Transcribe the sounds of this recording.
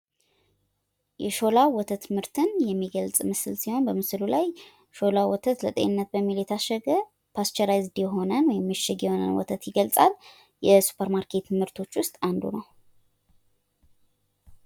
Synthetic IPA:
jɛʃo̞lawwɔt̪ʰət̪mɨɾt̪ʰɨnjɛmːiɡəlt͡sʼmɨsɨlsiho̞nbəmɨsɨlulaj | ʃo̞lawɔt̪ʰət̪lət̪ʼḛɨnːət̪̚bəmːiljɛt̪ʰaʃəɡə | pʰast͡ʃɛɾajzd̪jɛɦo̞nənwɔjɛmːɨʃːɪɡjɛho̞nə̰nwɔ̰t̪ʰət̪jɪɡəlt͡sʼal | jɛsu̥pʰəɾmaɾkʰe̞t̪mɨɾt̪ʰo̞t͡ʃːwʊst̪ʼand̪ṵnəw

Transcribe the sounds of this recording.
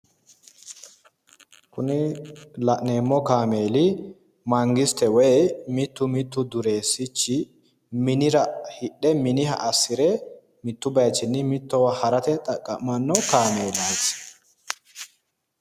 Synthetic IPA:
kʊnɪlɐʔne̞ːmːɔkaːme̞ːlɪ | mɐŋɡɪst̪ɛwɛjmɪt̪ːʊmɪt̪ːʊd̪ʊɾe̞ːsːɪt͡ʃːɪ | mɪnɪɾɐhɪʔːɛmɪnɪhɐ̰ʔɐsːɪɾɛ | mɪt̪ːʊbɐjt͡ʃːɪnːɪmɪt̪ːɔwɐhɐɾɐt̪ɛt̪ʼɐkʼːɐ̰ʔmɐnːɔkaːmeːlaːs

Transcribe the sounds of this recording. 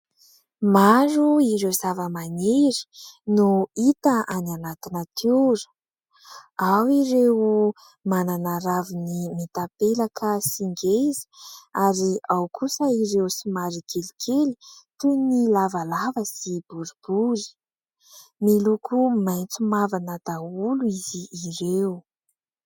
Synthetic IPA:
maɾuiɾewzavəmaneɾi̥nuit̪əʔananat̪inət̪ʰuɾə̥ | awiɾew | mananaɾavinimit̪apelakʰəsiŋɡezi̥aɾiawkʰusəiɾewsimaɾikelikʰeli̥t̪unilavalavəsibuɾib̥uɾi̥ | milukʰumajnt͡sumavanad̪auluiziːɾew

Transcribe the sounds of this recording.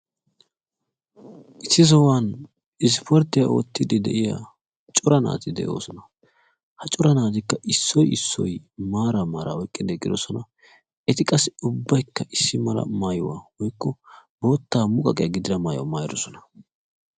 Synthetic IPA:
ʔɪsːɪzɔwan | ɪs̬pʰɔɾt̪ːɪjɐɔ̰ːt̪ːɪd̪ɪd̪ɛ̰ʔɪja̰ | t͡ʃʼʊɾɐna̰ːt̪ɪd̪ɛ̰ʔo̞̰ːsɔnɐ | hɐt͡ʃʼʊɾɐnaːt̪̬ɪkːɐʔɪsːɔjɪsːɔ̰jmaːɾɐmaːɾa̰wɔjkʼːɪd̪ɛkʼːɪd̪ɔsɔnɐ | ɛt̪ɪkʼɐsɪʊbːɐjkːɐʔɪsːɪmɐlɐ̰maːjʊwa̰wɔjkːɔbo̞ːt̪ːaːmʊkʼɐkʼɛjɐɡɪd̪ɪɾɐmaːjʊw̰maːjɪɾɔsɔnɐ̥

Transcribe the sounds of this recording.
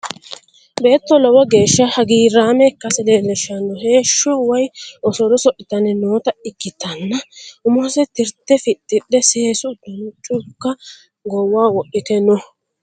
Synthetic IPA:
be̞ːt̪ːɔlɔwɔɡe̞ːʃːɐhɐɡiːɾaːmɛkːɐsɛleːlɛʃɐnːɔɦe̞ːʃːɔwɐjʔɔsɔɾɔsɔʔɪt̪ɐnɛnoːt̪ɐɪkːɪt̪ːɐnːɐʊmɔsɛt̪ɪɾt̪ːɛfɪt̪ːɪɗːɛse̞ːsʊd̪̥ːɔnʊt͡ʃʼʊkːɐ | ɡɔwːaːwɔʔːɪt̪ɛnɔ

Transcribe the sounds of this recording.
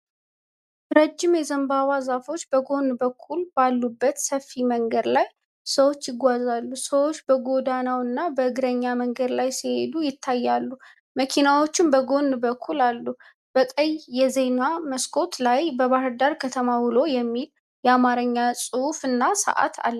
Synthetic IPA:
ɾəd͡ʒːɪmjɛzəmbaβazafo̞t͡ʃːbəɡo̞nbəkʰːulb̥alːubːət̪səfːiməŋɡəd̪laj | səwo̞t͡ʃːjɪɡʷazalːusəwo̞t͡ʃːbəɡo̞d̪anawɨnːabəɨɡɨɾəɲːaməŋɡəd̪lajsihe̞d̪ujɪt̪ʰːajːalːu | məkʰinawo̞t͡ʃːɪmbəɡo̞nːbəkʰːulalːu | b̥əkʼəjjɛze̞naməskʰo̞t̪lajbəβahɾd̪aɾkʰət̪ʰəmawɨlo̞jɛmːil | jɛamaɾəɲːasʼɨufɨnːasə̰ʔa̰t̪ʰa̰lː

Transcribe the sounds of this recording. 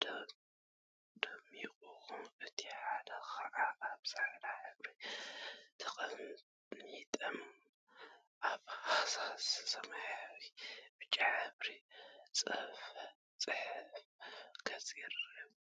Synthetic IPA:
d̪ | d̪̥ɐmiχʼuxuɨt̪ʰiħad̪ɐxaʔaʔaβsaħlaħɨβɾi | t̪ʰɐxʼɐn | it̪ʼɐm | ʔaβhasasɐmħwib̥ɨt͡ʃʼːaʕaβɾit͡sʼɐf | t͡sʼɨħɨfkʰɐt͡sʼiɾ

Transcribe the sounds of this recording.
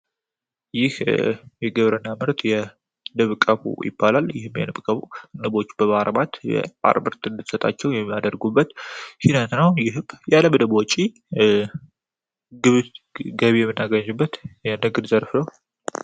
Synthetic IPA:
jɪhjɛɡəβɾənːamɨɾt̪jɛ | nɨβkʼəβṵjɪ̰bːalaljɪhɨmjɛ̰nɨbkʼəβunɨbo̞t͡ʃːbəβaɾbat̪jɛ̰ʔa̰ɾmɨɾt̪ɨnd̪ɨt̪sət̪ʼa̰t͡ʃːɛwjɛmːjad̪əɾɡubːət̪hinət̪nəwjɪɦjalːəmd̪ɨbwɔt͡ʃʼi | ɡɨβɡəβijɛmːɨnːaɡəɲɨbːət̪jɛnɨɡɨd̪zəɾfnəw

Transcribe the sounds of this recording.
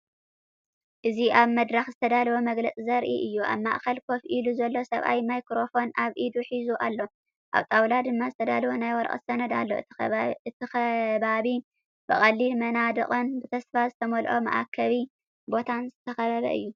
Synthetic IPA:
ʔɨziʔaβmɐd̪ɾɐxzɨt̪ʰɐd̪albomɐɡlɐt͡sʼizɐɾʔḭʔɨjːuʔa̰βma̰ʔkɐlkʰo̞fʔiluzɐlːo̞sɐβʔa̰jmajkɾo̞fo̞nʔaβʔid̪uħizuʔalːo̞ | ʔa̰βt̪ʼawlad̪ɨmːazɨt̪ʰɐd̪albonajwɔɾʔʼɐ̰t̪sɐnɐd̪a̰lːo̞̰ɨt̪ʰixɐβaβi | bɨχʼɐlːilmɐnad̪ɨχʼonbɨt̪ʰɐsfazɨt̪ʰɐmolʔo̞mɐ̰ʔakʰːɐβi | bo̞t̪ʰanzɨt̪ʰɐxɐβɐβɐ̰ʔɨ̰jːu

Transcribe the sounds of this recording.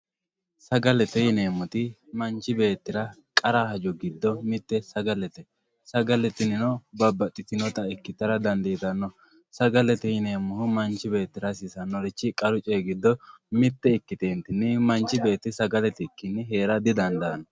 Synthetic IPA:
sɐɡɐlɛt̪ɛjɪne̞ːmːɔt̪ɪmɐnt͡ʃɪbe̞ːt̪ːɪɾɐkʼɐɾahɐd͡ʒʊɡɪd̪ːɔmɪt̪ːɛsɐɡɐlɛt̪ɛ | sɐɡɐlɛt̪ɪnɪnɔbɐbːɐt̪ʼːɪt̪ɪnɔt̪ɐɪkːɪt̪ːɐɾɐd̪ɐnd̪ijt̪ɐnːɔ | sɐɡɐlɛt̪ɛjɪne̞ːmːʊhʊmɐnt͡ʃːɪbe̞ːt̪ːɪɾɐsɪsɐnːɔɾɪt͡ʃːɪkʼɐɾʊt͡ʃʼeɡɪd̪ːɔmɪt̪ːɛɪkːɪt̪eːnt̪ɪnːɪmɐnt͡ʃːɪbe̞ːt̪ːɪsɐɡɐlɛt̪ɪkːɪnːɪɦe̞ːɾɐd̪ɪd̪ɐnd̪ɐnɔ

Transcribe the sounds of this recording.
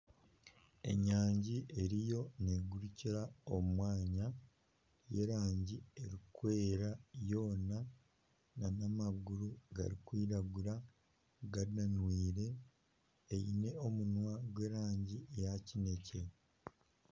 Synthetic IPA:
e̞̰ɲaːɲɟiʔe̞ɾijo̞neɡuɾuciɾaomumwaːɲa | je̞ɾaːɲɟie̞ɾikwe̞ːɾajo̞ːna | nanamaɡuɾuɡa̰ɾikwiːɾaɡuɾa | ɡaɾinanwiːɾe̞ː | jine̞o̞munwaɡwe̞ɾaːɲɟiejacine̞ce

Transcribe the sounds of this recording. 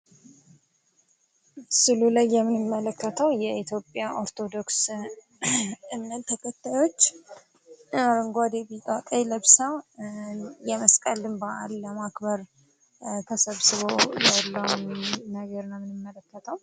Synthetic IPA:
sɨlulajːɛmːɨnɨmːələkːət̪ʰəwjɛʔit̪ʰjo̞pʼjaʔo̞ɾt̪ʰo̞d̪o̞ks | ɨmnət̪ʰːəkʰət̪ʰːajo̞t͡ʃː | ɾəŋɡad̪ebiawk̪ʼəjləβsaw | jɛməskʼəlɨmbaʔalːəmakbəɾ | t̪ʰəsəβsɨβojalːəwnnəɡəɾnəmːɨnɨmːələkːət̪ʰəw

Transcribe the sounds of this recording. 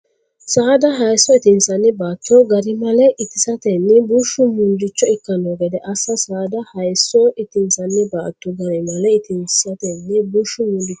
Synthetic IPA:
saːd̪ɐɦɐjsːɔɪt̪ɪnsɐnːɪbaːt̪ːɔɡɐɾɪmɐlɛʔɪt̪ɪsɐt̪ɛnːɛbʊʃːʊmʊnd̪ɪt͡ʃːɔɪkːɐnoːɡɛd̪ɛʔɐsɐsaːd̪ɐhɐjsːɔɪt̪ɪnsɐnːɛbaːt̪ːɔɡɐɾɪmɐlɛɪt̪ɪnsɪ̥sɐt̪ɛnːɛbʊʃːʊmʊnd̪ɪt͡ʃ

